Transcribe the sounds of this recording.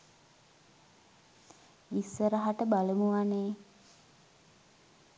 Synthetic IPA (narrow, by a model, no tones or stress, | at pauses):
ʋisːəɾəɦaʈəbaləmuʋaneː